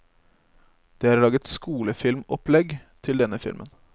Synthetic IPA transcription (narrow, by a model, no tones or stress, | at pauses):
d̪̥eːæːɾɭɑːɡət̪skuːləfɪlmɔplɛɡt̪ʰɪld̪ɛnəfɪ̰lmʔə̰n